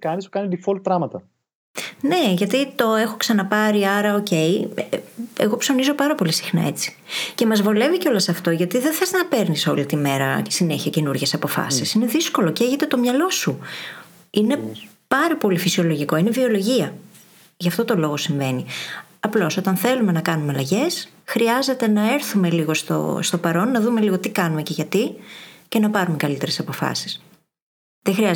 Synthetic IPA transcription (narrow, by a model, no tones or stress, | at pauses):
kɐnisu̥kɐnid̪ifolt̪ɾɐmɐt̪ɐ | ne̞ʝɐt̪it̪o̞e̞xo̞ksɐnɐpɐɾiɐɾɐo̞ce̞j | eɣo̞pso̞nizo̞pɐɾɐpo̞lisi̥xnɐ̰e̞t͡si̥ce̞mɐzvole̞viceo̞lɐsɐft̪o̞ʝɐt̪iðeθeznɐpe̞ɾniso̞lit̪ime̞ɾɐsine̞çiɐce̞nuɾʝe̞sɐpo̞fɐ̰sisine̞ðisko̞lo̞ceçet̪e̞t̪o̞mɲɐlo̞su | ine̞ | pɐɾɐpo̞lifisio̞lo̞ʝiko̞ine̞vio̞lo̞ʝiɐ | ʝɐft̪o̞t̪o̞lo̞ɣo̞siɱve̞niɐplo̞so̞t̪ɐnθe̞lume̞nɐkɐnumeɐlɐʝe̞s | xɾiɐze̞t̪e̞nɐe̞ɾθume̞liɣost̪o̞̰st̪o̞pɐɾo̞nːɐðume̞liɣo̞t̪ikɐnume̞ce̞ʝɐt̪ice̞nɐpɐɾume̞kɐlit̪eɾe̞sɐpo̞fɐ̰si̥s | ðexɾiɐ